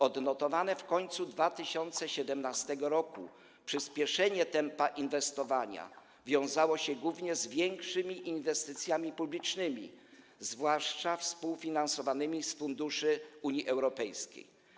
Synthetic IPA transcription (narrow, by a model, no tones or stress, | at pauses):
ɔd̪nɔt̪ɔvanɛfkɔɲt̪sud̪vat̪ɘɕɔnt̪sɛɕɛd̪ɛmnast̪ɛɡɔɾɔkṵ | pʂɘspʲjɛʂɛɲɛt̪ɛmpaʔinvɛst̪ɔvaɲa̰ | vʲjɔ̃w̃zawɔɕɛɡwuvɲɛzvʲjɛŋkʂɘmʲiʔinvɛst̪ɘt̪sʲjamʲipublʲit͡ʂnɘmʲḭ | zvwaʂt͡ʂafspuwfʲinansɔvanɘmʲisfund̪uʂɘuɲiʔɛwɾɔpɛjskʲḛj